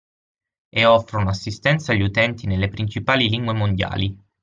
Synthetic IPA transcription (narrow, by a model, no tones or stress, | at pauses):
eɔfːɾonasːist̪ɛnt̪saʎːut̪ɛnt̪inelːepɾint͡ʃipaːliliŋɡwemond̪ja̰ːli